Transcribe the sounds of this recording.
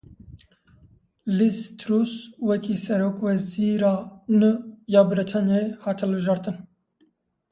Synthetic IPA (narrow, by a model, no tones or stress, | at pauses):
list̪ʰɾuswɛkʰiːsɛɾoːkwɛziːɾɑːnɨjɑːbɨɾit̪ʰɑːnjɑehɑːt̪ʰɨlbɨʒɑːɾt̪ɨn